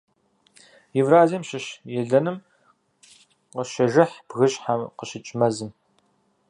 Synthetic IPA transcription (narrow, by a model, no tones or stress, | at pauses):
jɪvraːzimɕɪɕjɛɮɐnɨm | qəʃɐʒɐħb̥ɣɨɕʼħaqəɕɪt͡ʃʼmɐzɨm